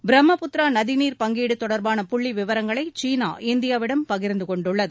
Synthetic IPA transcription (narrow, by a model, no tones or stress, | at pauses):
bɪɾɐmːɐpʊt̪ɾaːnɐðɪniːɾpɐŋɡiːɽɯt̪ːɔɽɐɾbaːnɐpʊɭːiʋɪʋɐɾɐŋɡɐɭɐɪt͡ʃiːna̰ːʔɪnd̪ɪjaːʋɪɽɐmpɐɣɪɾnd̪ɯkɔɳɖɯɭːɐðɯ